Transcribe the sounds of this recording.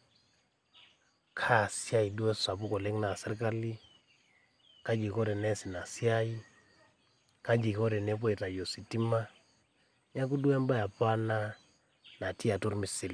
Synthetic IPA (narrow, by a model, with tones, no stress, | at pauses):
kʰa˦˨sja˦i˨du˦ɛ˦sa˨βu˦kɔ˨lɛ˦ŋna˨sɛ˦ɾka˦li˦ | ka˦d͡ʒi˨kɔ˦ɾɛ˨nɛ˦si˨na˨si˦a˦i˦ | ka˦d͡ʒi˨kɔ˦ɾɛ˨nɛ˦pɔ˦i˨ta˨jɔ˨si˨ti˦ma˦ | ja˦k̬u˦du˦ɛ˦mba˦ja˨pa˦na˦ | na˨ti˦a˨tu˦ɾmi˦si˨l